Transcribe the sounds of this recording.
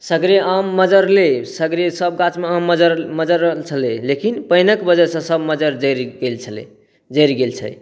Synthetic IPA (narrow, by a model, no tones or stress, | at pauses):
səɡɾeamːəd͡ʒəɾlesəɡɾesəb̚ɡãt͡ʃmeamːəd͡ʒəɾməd͡ʒəɾːəɦlt͡ʃʰəlelekinpəjnəkbəd͡ʒəsə̃səbməd͡ʒəɾd͡ʒəɾɡelt͡ʃʰəlḛ | d͡ʒəɾiɡelt͡ʃʰɛ̰